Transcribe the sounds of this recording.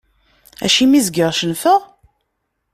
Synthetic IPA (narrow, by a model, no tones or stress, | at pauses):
æ̰ʃimizɡəʁʃənfəʁ